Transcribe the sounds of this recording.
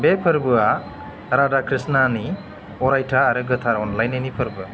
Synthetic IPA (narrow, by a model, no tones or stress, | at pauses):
bepʰɯɾbɯa | ɾadakʰɾisnani | ɔɾajtʰaːɾɯɡɯtʰaɾɔnlajnɯnipʰɯɾbɯ